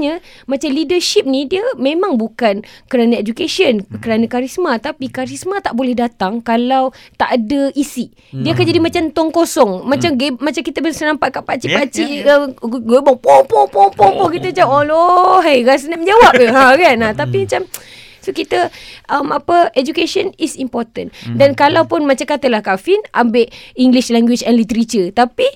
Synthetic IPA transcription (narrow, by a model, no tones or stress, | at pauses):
ɲə | mat͡ʃamlidəʃip̚nidiəmẽmãŋbukankəɾanaed͡ʒukeʃiənkəɾanakaɾismat̪apikaɾismat̪aʔbolɛhdat̪aŋkalawt̪aʔadəʔisi | diəakand͡ʒadimat͡ʃamt̪ɔŋkosɔŋmat͡ʃamɡemat͡ʃamkit̪əbəsənampaʔ̪̚kaʔpat͡ʃipat͡ʃiʔəɡebɔŋpɔpɔŋpɔŋpɔŋpɔkit̪əat͡ʃaolɔɦejɣasənaʔməɲd͡ʒawap̚ɦakanat̪apimat͡ʃam | sokit̪əʔəmapəed͡ʒukeʃɔnisimpɔrt̪əndankalawpunmat͡ʃakat̪əlahkafina̰mbeʔiŋɡliʃlɛŋɡwit͡ʃɛnlit̪əɾit͡ʃət̪api